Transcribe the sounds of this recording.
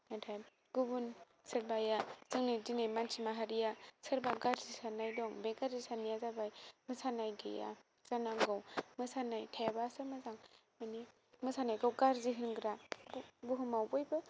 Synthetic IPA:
natʰaj | ɡ̥ubun | sɯɾbajasɯŋnɯjzinajmansʰimaɦaɾijasɯɾbaɡaɾzisanajdɔŋbeɡaɾzisanijazabajmɯsanajɡɯja̰ | z̥anaŋɡawmɯsanajtʰajabasɯmɯzaŋmani | mɯsanajɡawɡaɾziɦɯnɡɯɾa | buɦɯmawbɔjbɯ

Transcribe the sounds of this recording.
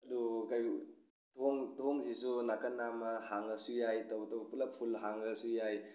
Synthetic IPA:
ɐdukaj | toŋtoŋsisunakɐnːamɐhaŋɐsujajtɐwtɐwpulɐpʰulɦaŋɡɐsujaj

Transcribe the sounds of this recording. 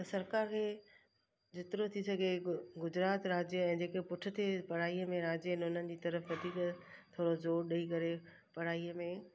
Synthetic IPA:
t̪ɐsɐɾkaːɾkʰeː | d͡ʑɪt̪ɪɾot̪ʰisɐɡʱeɡʊd͡ʑɾaːt̪ɾaːd͡ʑəɛ̃ːd͡ʑeːkepʊʈʰɪ̆t̪ʰepɐɽ̤aːijəmẽɾaːd͡ʑnʊnənɪ̆d͡ʑiːt̪ɐɾəfʋɐd̪ʱiːkt̪ʰoːɽozoːɾɗɐikɐɾe | pɐɽ̤aːiəmẽ

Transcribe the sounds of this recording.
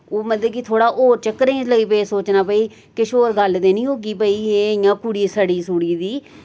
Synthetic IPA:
oːməd̪eːkɪt̪ʰoːɽaːʔoːɾt͡ʃəkːɾẽːləɡiːpeːsoːt͡ʃnaːpəiː | kɪʃoːɾɡəld̪eːnĩːɦoːɡiːpəiːeːɪjãːkuɽiːsəɽiːsuːɽiːd̪iː

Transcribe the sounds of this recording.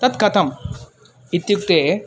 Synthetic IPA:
t̪ɐt̪kɐt̪ʰɐm | it̪juk̚t̪e

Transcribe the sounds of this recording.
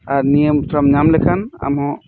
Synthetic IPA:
aɾnijəmt̪ʰɾamɲamlɛkʰana̰mɦɔ̃

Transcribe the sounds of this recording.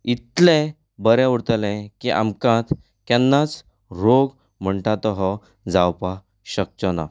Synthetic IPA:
it̪lẽ | bəɾɛ̃uɽt̪əlɛ̃kiʔa̰mkãt̪ | kjanːat͡s | ɾoɡ | m̤əɳʈat̪ɔɦɔ | d͡zawpa | ɕək̚t͡ɕəna̰

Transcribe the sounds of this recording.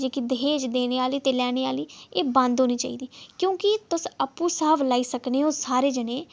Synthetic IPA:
d͡ʒeːkid̪ɦeːd͡ʒd̪eːneːaːliːt̪eːlɛːneːaːliːeːbãnd̪ɦoːniːt͡ʃa̰ːḭːd̪iːkjõːkɪt̪ʊsəpũːsəːblaːiːsəkneːoːsaːɾeːd͡ʒəneː

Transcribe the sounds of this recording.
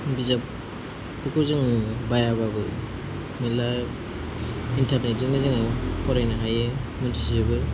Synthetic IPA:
bizap | ukʰɯzɯŋbajababɯ | mila | intaɾnet̚zɯŋɯzɯŋapʰɔɾajnaɦajɯmɯntʰizɯbɯ

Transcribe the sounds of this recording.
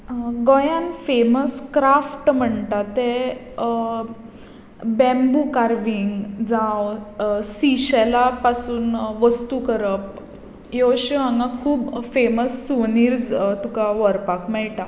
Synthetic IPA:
ɡojãnfeməskɾafʈm̤əɳt̪at̪e | bɛ̃mbukaɾʋiŋɡd͡zãwsiɕɛlapasuːnʋəst̪ukəɾəp | joɕiɦãŋɡãkʰuːbfeməsːuniːɾd͡zt̪ukaʋəɾpakmɛɭʈa

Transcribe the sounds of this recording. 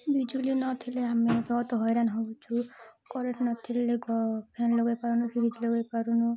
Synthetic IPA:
bid͡ʒulinɔt̪ʰileamebɔt̪ɔɦɔjɾanɦowt͡ʃʰukɔɾeʈnɔt̪ʰileɡɔpʰanloɡajpaɾunupʰiɾid͡ʒloɡajpaɾunu

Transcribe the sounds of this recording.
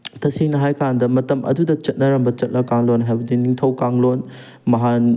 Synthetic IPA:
tʰɐsiŋnɐɦajkʰandɐmɐtɐmʔɐ̰dudɐt͡ʃɐt̚nɐɾɐmbɐt͡ʃɐt̚nɐkaŋlonɦajbɐdiniŋtʰɐwkaŋlon | mɐɦan

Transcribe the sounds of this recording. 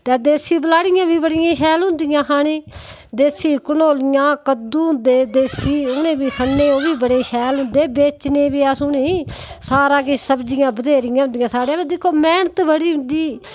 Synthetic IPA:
t̪ɛːd̪eːsiːbəlaːɽɪjãːbiːbəɽɪjãːʃɛːlɦʊ̃nd̪ɪjãːkʰaːɽ̃eː | d̪eːsiːkənoːlɪjãːkəd̪uːɦʊ̃nd̪eːd̪eːsiːʊnẽːbiːkʰənːeːoːbiːbəɽeːʃʰɛːlɦʊ̃nd̪eːbeːt͡ʃnẽːbiːaːsũneːsaːɾãːkɪsəbd͡ʒɪjãːbəd̪eːɾɪjãːɦʊ̃nd̪ɪjãːsaːɽeːaed̪ekʰːoːmɛːɳət̪bəɽiːɦʊ̃nd̪iː

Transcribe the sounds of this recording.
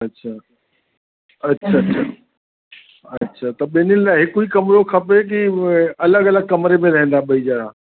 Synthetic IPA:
ɐtːɕʰaː | ɐtːʃʰaa | ɐtːɕʰaːt̪ɐɓeːnɪnɪlaɪɦɪkuikɐmɾokʰɐpek̬iɐləɡɐləɡ̚kɐmɾemẽɾɐɦẽn̆d̪aɓɐid͡ʑaːɾ̤ãː

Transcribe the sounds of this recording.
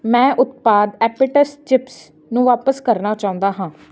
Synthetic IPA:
mɛ̃ːʔʊt̪paːd̪ɛːpɪʈəst͡ʃɪps | nũːʋaːpəskəɾnaːt͡ʃãːʊ̃nd̪aːɦãː

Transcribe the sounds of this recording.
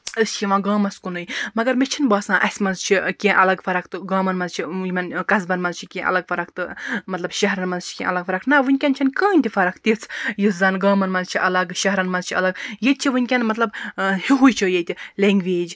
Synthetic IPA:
ɨst͡ʃʰiʋãːɡãːmɐskunɨjmɐɡɐɾmet͡ʃʰinbaːsãːʔɐsʲmɐnzt͡ʃʰikʲẽːʔɐlɐɡfɐɾɐkʰt̪ɨɡãːmɐnmɐnzt͡ʃʰijimɐnkɐzbɐnmɐnzt͡ʃʰi̥kʲẽːʔɐ̰lɐɡfɐɾɐkt̪ɨmɐt̪lɐbʃɐɦɾɐnmɐnzt͡ʃʰi̥kʲḛ̃ːʔɐlɐɡfɐɾɐknɐʋɨnʲkʲɐnt͡ʃʰɐnkãːnʲt̪ʲifɐɾɐkʰt̪it͡sʰjizɐnɡaːmɐnmɐnzt͡ʃʰiʔɐlɐɡʃɐɦɾɐnmɐzt͡ʃʰiɐlɐɡjet̪̚ʲt͡ʃʰiʋɨnʲkʲɐnmɐt̪lɐbhiɦujt͡ʃʰijet̪ʲileŋɡʋeːd͡ʒ

